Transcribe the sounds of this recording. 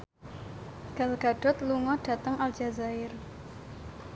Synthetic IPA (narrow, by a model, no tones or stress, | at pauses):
ɡ̥a̤lɡ̥a̤ɖ̥ɔ̤t̪luŋɔɖ̥a̤t̪əŋald͡ʒazaɪr